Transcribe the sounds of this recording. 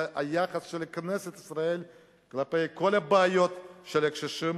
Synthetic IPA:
ajaχasʃelkneset̪isɾae̞l | klapejko̞labeajo̞t̪ʃelekʃeʃim

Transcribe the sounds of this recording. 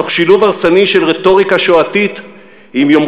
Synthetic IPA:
oχʃiluvaʁt͡saniʃelʁeto̞ʁikaʃoatit | imjom

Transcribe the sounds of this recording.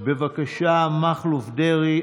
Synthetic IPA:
bevakaʃamaχlufdeʁi

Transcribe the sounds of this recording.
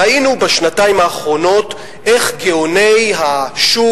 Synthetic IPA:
ainubaʃnataimaːχʁo̞no̞t | ʔe̞χɡeonejɦaʃu

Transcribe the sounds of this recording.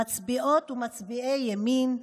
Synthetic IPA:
at͡sbiʔot̪umat͡sbiʔejːamin

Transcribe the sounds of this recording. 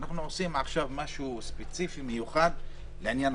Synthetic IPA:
naχnuosimaχʃavmaʃuspet͡sifimejuχad̪ | leanjan

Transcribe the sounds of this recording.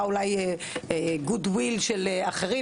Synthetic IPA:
ulaje | eɡudwilʃeleaχeʁi

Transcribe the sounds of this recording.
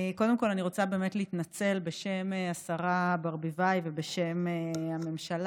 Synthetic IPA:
ko̞d̪e̞mkolaniʁo̞t͡sabe̞ːmetleit̪nat͡se̞lbe̞ʃemeasaʁabaʁbivajve̞beʃe̞meame̞mʃal

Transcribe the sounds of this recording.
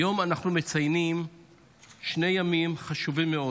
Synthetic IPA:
jo̞manaχnume̞t͡sajnim | ʃnejamimχaʃuvimːeo̞

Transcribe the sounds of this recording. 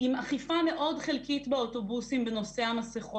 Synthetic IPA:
imaχifame̞ʔo̞dχelkitbeoto̞busimbeno̞se̞amaseχo

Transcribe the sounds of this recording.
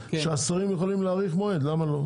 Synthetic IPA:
ʃʃeasaʁimjeχolimleːʁiχmoed̪lamalo̞

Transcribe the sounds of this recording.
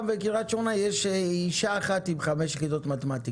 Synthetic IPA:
vekiʁat͡ʃonajeʃiʃaːχat̪imχameʃχidot̪mat̪emat̪i

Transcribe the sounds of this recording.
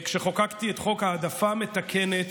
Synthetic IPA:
kʃeχokakt̪iet̪χo̞khaːdafame̞t̪akʰenet̪

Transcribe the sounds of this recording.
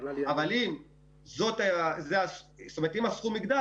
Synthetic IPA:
avalim | zo̞t̪aazeasst̪omet̪imasχumiɡd̪a

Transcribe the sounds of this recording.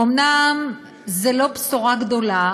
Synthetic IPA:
omnam | zelo̞psuʁaɡd̪o̞la

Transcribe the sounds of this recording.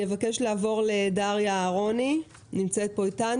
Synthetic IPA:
jevake̞ʃlaːvo̞ʁle̞daʁjaːʁo̞ni | nimt͡set̪̚boitan

